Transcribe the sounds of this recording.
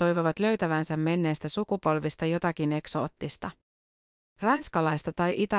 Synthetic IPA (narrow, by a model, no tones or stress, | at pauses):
t̪o̞jʋoʋɑt̪lø̞ɥt̪æʋænsæmːe̞nːe̞ːst̪æsukupo̞lʋist̪ɑjo̞t̪ɑk̟ine̞kso̞̰ːt̪ːist̪ɑ | rɑnskɑlɑjst̪ɑt̪ɑjʔit̪ɑ